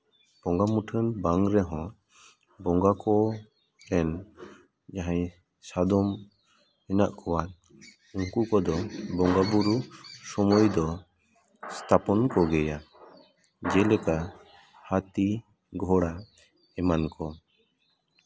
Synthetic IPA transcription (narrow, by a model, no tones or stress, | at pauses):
b̥ɔŋɡamuʈʰənbaŋɾɛɦɔ̃ | bɔŋɡakɔ | d͡ʒɛn | d͡ʒaɦãj | sad̪ɔm | ɛnaʔkʰɔwa | uŋkukɔd̪ɔbɔŋɡabuɾusɔmɔjd̪ɔ | st̪ʰapɔnkɔɡɛja | d͡ʒɛlɛka | hat̪i | ɡʱɔɽa | ɛmankɔ